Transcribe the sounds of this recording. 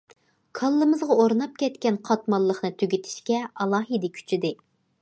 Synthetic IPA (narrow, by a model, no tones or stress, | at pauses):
kʰɑlˠːɨmɨzʁɑoɾnɑp̚kʲɛt̪kʲɛnqʰɑt̪mɑlˠːəχnɨt̪ʰyɡʲit̪ʰɪ̥ʃkʲɛɑlˠɑːɦid̪ɪkʲʰy̥t͡ʃʰid̪ɪ